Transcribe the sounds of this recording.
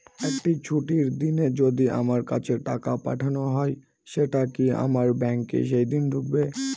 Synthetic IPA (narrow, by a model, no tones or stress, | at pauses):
ek̚ʈit͡ɕʰuʈiɾd̪ined͡ʑod̪iʔa̰maɾkat͡ɕʰeʈakapa̰ʈʰanoɦɔe | ʃeʈakia̰maɾbɛŋkḛʃejd̪ind̪ʱuk̚be